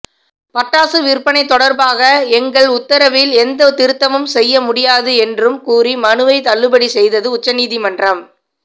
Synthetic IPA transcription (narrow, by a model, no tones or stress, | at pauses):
pɐʈːaːsɯʋɪɾpːɐnɐɪt̪ːɔɽɐɾbaːɣɐɛŋɡɐɭʊt̪ːɐɾɐʋɪlɛnd̪ɐt̪ɪɾɯt̪ːɐmɯmsɛjːɐmʊɽɪjaːðɯɛndrɯmkuːɾimɐnɯʋɐɪt̪ɐɭːɯbɐɽisɛjðɐðɯʊt͡ʃːɐniːðimɐndrɐm